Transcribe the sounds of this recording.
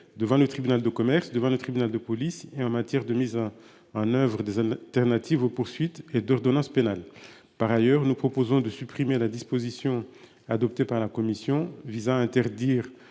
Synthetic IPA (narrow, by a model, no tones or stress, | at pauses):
d̪əvɑ̃lət̪χibynald̪əkɔmɛʁsd̪əvɑ̃lət̪χibynald̪əpɔliseɑ̃mat̪jɛʁd̪əmiz | ɑ̃nœvʁəd̪ezalt̪ɛʁnat̪ivopuʁsɥit̪ed̪ɔʁd̪ɔnɑ̃spenal | paʁajœʁnupχɔpozɔ̃d̪əsypχimelad̪ispozisjɔ̃ | ad̪ɔpt̪epaʁlakɔmisjɔ̃vizãɛ̃t̪ɛʁd̪iːʁ